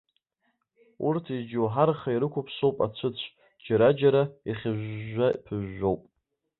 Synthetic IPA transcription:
urtʰid͡ʒowħarχaiɾɨkʷʰʊpʰsowpʼa̰t͡ʃʷʰɨt͡ɕʷʰ | d͡ʒaɾad͡ʒaɾaiχʲɪʒʷapʰɨʒːo̞wpʼ

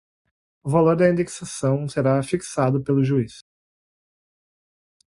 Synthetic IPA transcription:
ʊvaloɾd̪ɐĩnd̪eksasɐ̃w̃seɾafiksad̪ʊpelʊʒuis

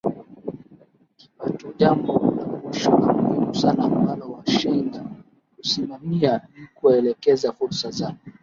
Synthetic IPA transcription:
kipatuʄambɔnavuʃɔnamuhimusanaːmbalɔwaʃiŋɡa | husimamianikuɛlɛkɛzafuɾsazaɔ

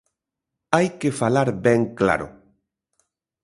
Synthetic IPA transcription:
ajkefalaɾbɛŋkla̰ɾʊ̰

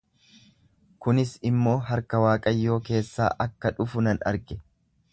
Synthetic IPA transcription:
kʊnɪsɪmːo̞ːɦɐɾkɐwaːkʼɐjːo̞ːke̞ːsːa̰ːʔɐkːɐᶑʊfʊnɐnɐ̰ɾɡɛ

